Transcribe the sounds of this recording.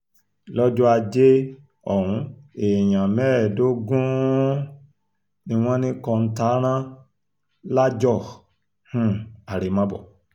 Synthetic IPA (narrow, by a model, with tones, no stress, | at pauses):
lɔ˦d͡ʒɔ˦a˧d͡ʒe˦ | ɔ˨ɾũ˨˧e˨jã˨mɛ˦˨do˦ɡũ˦ | nĩ˧w̃ɔ̃˦nĩ˦kɔ˧n̩˦ta˨˦ɾ̃ã˦ | la˦d͡ʒɔ˦˨ | hũ˦˨a˨ɾe˨˦mã˦bɔ̰˨